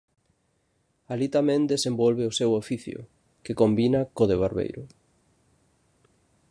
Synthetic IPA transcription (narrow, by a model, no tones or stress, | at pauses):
alit̪amẽnd̪esembɔlβeosewofiθjʊ̰ | kekombinakoðeβ̞aɾβḛjɾʊ